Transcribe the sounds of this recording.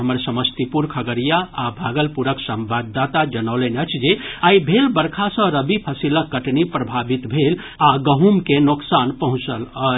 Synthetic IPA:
ɦəməɾsəməst̪ipuɾkʰəɡəɾijaabʱaɡəlpuɾəksəmbad̪ːat̪ad͡ʒənəwleneət͡ʃʰd͡ʒeaibʱelbəɾkʰasə̃ɾəbipʰəsiləkːəʈnipɾəbʱabit̪bʱel | aɡəɦumkenoksanpəɦũt͡ʃələ

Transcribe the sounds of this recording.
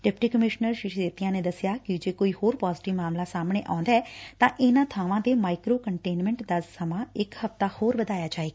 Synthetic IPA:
ɖɛp̚ʈiːkəmɪʃnəɾʃɪʃeːt̪ijãːneːd̪əsɪjaːkɪd͡ʒeːkoːiːhoːɾpaːzɪʈɪʋmaːmlaːsaːmɽ̃ḛːʔãːnd̪aːɛːt̪ãːʔɪnãːt̪ʰaːʋãːd̪eːmaːɪkɾoːkəɳʈeːnmɛ̃ːɳʈd̪əsːəmãːɪkhəft̪aːhoːɾbəd̪aːjaːd͡ʒaːeːɡ

